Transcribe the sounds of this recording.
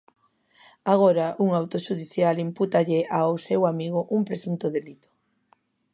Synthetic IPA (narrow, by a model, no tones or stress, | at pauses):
aɣ̞oɾaʔuŋawt̪oʃuðiθjalimput̪aʎɪʔawsewamiɣ̞ʊʔumpɾesunt̪oðelit̪o̥